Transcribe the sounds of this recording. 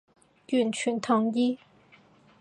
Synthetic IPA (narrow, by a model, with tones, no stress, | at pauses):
y˥˩nt͡ɕʰy˧˥nt̪ʰʊ˧˥ŋji˥